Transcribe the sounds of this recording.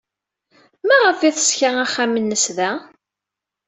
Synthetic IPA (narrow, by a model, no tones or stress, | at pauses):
mæʁəfiθə̥sçaæχːæmənːəsðæ